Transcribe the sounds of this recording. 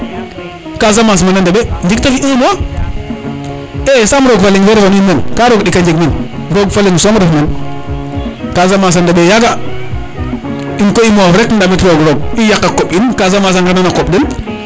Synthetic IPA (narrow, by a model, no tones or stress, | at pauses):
kazamas̬manandabend͡ʒiktafiʔimowa | esamɾoɡfaliŋfeɾhoninːenkaɾoɡɗikand͡ʒiɡminɾoɡfaliŋsomɾafmen | kazamaːs̬andaɓejaɡa | inkoimofɾekn̩damitɾoɡɾoɡ̚ijakːakoɓinkazamas̬aŋɡananakoɓdin